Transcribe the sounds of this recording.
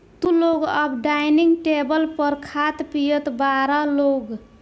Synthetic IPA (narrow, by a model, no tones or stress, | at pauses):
t̪uloɡəbɖajniŋɡʈebəlpəɾkʰat̪pijət̪baɾəloɡ